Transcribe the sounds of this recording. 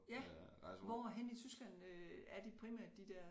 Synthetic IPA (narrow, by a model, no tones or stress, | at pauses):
jæʋɒɦen̰it͡sʰysɡ̥læn̰øæɐd̥ipʰʁimæɐd̥ːid̥ɛɐ̰